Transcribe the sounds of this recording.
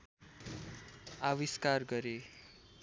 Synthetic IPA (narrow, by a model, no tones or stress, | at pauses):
awiskarɡʌɾe